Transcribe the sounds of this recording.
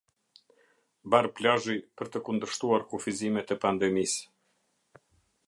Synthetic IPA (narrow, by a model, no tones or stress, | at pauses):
baɾplaʒipəɾt̪əkund̪əɾʃt̪uaɾkufizimɛt̪ɛpand̪ɛmis